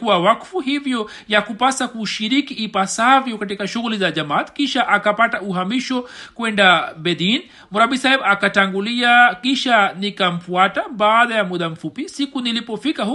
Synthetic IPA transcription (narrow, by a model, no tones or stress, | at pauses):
kuawakfuɦivjɔ | jakupasakuʃiɾikiːpasavjɔkatikaʃuɣulizaʄamaːt̪kiʃaʔakapatauɦamiʃɔkwɛndaɓɛðin | muɾaɓisaɛmakataŋɡuliakiʃanikam̩fuataɓaːðajamuɗam̩fupisikunilipɔfikah